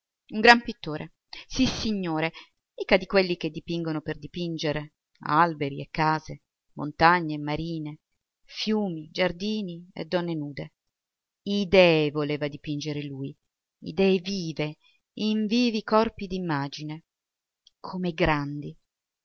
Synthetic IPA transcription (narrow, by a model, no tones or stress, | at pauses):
uŋɡɾampit̪ːoːɾʔe | sisːiɲːoːɾe | ikad̪ikwelːik̟ed̪ːipiŋɡonoperd̪ipind͡ʒeɾe | a̰lbeɾiekːaːze | mo̰nt̪aɲːemːaɾiːne | fjuːmid͡ʒard̪iːniḛd̪ːɔnːenuːd̪e | id̪ɛːvoleːvad̪ipind͡ʒeɾeluːj | ḭd̪ɛːeviːve | iɱviːvikɔrpid̪imːaːd͡ʒine | kʰomeɡɾand̪i